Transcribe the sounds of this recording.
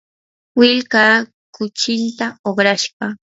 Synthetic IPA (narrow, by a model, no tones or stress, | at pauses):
wɪlka | kʊt͡ʃɪnt̪aoχɾaʃpɑ